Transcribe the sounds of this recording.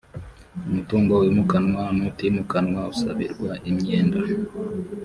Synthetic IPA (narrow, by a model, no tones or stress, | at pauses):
umutuːŋɡowimukanwanutimukanwausa̰βḭɾɡwaʔimɲeːnda